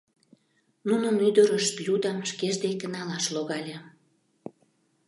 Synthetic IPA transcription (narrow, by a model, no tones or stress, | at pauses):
nunəmyd̪əɾəʃt̪jud̪ɑmʃkeʒd̪ekə̆nɑlɑʃloɣɑlʲe